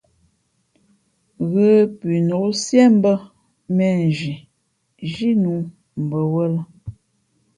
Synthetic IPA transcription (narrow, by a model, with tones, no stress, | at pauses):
ɣə˦pi˨no˨˦sjɛ˦m̩˦bə˦ | mɛ˨n˨ʒi˨ | ʒi˦nu˨˦ | m̩˨bə˨wə˦lə˦